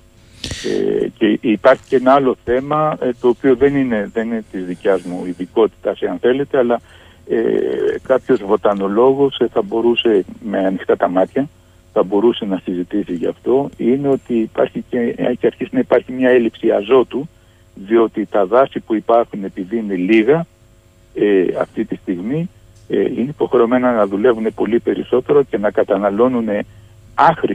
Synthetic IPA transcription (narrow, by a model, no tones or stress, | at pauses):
ḛceipɐɾçi̥ce̞nɐɐlo̞θe̞mɐt̪o̞ːpioðe̞nineðe̞ninet̪izðicɐzmuiðiko̞t̪i̥t̪ɐseɐnθe̞le̞t̪e̞ɐlɐ | ḛkɐpço̞zvo̞t̪ɐno̞lo̞ɣo̞sθɐbo̞ɾuse̞me̞ɐnixt̪ɐt̪ɐmɐt̪çɐ | θɐbo̞ɾuse̞nɐsizit̪isiʝɐːft̪o̞ine̞o̞t̪ipɐ̰ɾçiceceɐɾçisinɐipɐɾçimɲɐe̞lipsiɐzo̞t̪u | ðio̞t̪it̪ɐðɐsipuipɐɾxune̞piðiine̞liɣɐ | eɐ̰ft̪it̪ist̪iɣmi | ineipo̞xɾeo̞me̞nɐnɐðule̞vune̞po̞lipe̞ɾḭso̞t̪e̞ɾo̞ce̞nɐkɐt̪ɐnɐlo̞nune̞ | ɐxɾi